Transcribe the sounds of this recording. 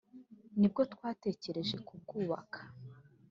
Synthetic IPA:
nib̚ɡo̞twaːte̞ːce̞ɾe̞ʒe̞kub̚ɡuːβa̰kʰḁ

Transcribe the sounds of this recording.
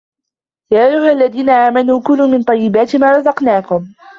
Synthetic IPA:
jaːʔajːʊhʔalːaðiːnaʔaːmanuːkʊlːʊːmɪnt̪ˤɑjːɪbaːt̪ɪmaːɾˤɑzɑqnaːkʊm

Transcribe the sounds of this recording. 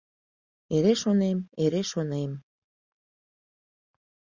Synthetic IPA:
eɾeʃonemeɾeʃonem

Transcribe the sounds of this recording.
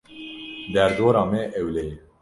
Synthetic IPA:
d̪æɾd̪oːɾɑːmɛʔɛwlɛjɛ

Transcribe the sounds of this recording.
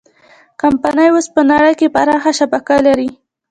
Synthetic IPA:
kampanəjwospənaɽəjkepaɾɑxaʃabakalaɾi

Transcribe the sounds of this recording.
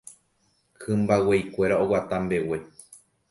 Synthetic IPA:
kʰɨ̃mbawejkʷe̞ɾaowat̪ambe̞we̞

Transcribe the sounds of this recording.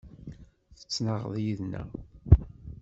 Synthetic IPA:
θə̥t͡sːnəʁðˤjiðnæ̰

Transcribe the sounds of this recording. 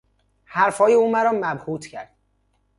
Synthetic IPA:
hæɾfɒːjeuːmæɾɒːmæbhuːt̪ʰcʰæɾd̪̥

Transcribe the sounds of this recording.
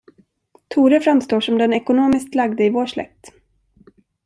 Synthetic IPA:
t̪ʰuːɾəfɾamst̪oːʂɔmd̪ɛnɛkʊnoːmɪskt̪laɡd̪əɪvoːʂlɛ̰k̚t̪

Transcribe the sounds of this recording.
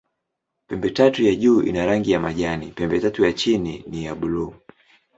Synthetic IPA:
pɛmbɛtatujaʄuːʔḭnaɾaŋɡijamaʄanipɛmbɛtatujat͡ʃinḭnijaɓuluː

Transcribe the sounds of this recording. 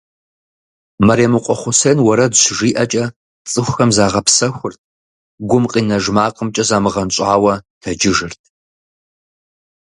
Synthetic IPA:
mɐɾeːmɨqʷʼɔχʷʊsɐːnwɐɾɐdɕʐiːʔɐt͡ʃʼɐ | t͡sʼɨxʷxɐmzaːʁɐpsɐxʷʊrt̚ʰ | ɡʷʊmqʼiːnɐʒmaːqʼəmt͡ʃʼɐzaːmɨʁɐnɕʼaːwɐtʰɐd͡ʒɪʒɨrtʰ

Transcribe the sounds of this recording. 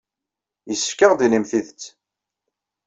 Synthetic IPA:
jəsːə̥fkːəʁd̪ilimθiðət͡sː

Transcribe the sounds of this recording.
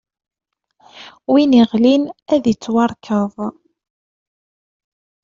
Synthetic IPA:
winiʁlinæðit͡sːwɑɾˤkʰəðˤ

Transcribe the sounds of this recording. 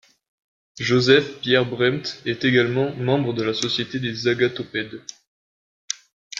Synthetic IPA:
ʒozɛfpjɛʁbʁɛmt̪ɛt̪eɡalmɑ̃mɑ̃bʁəd̪əlasɔsjet̪ed̪ezaɡat̪ɔpɛd̪

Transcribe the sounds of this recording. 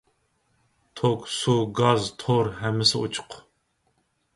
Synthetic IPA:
t̪ʰoksuɡazt̪ʰoɾɦæmːɨsɨut͡ʃʰɨ̥qʰ

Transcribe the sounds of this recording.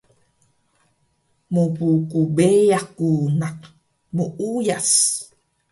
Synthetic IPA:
mupukubejakunaq | muʔujas

